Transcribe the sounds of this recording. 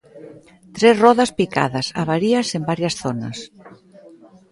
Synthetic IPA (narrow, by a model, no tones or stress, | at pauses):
t̪ɾezrɔðɐspika̰ðɐsa̰βaɾiɐsembaɾjɐsθonɐ̰s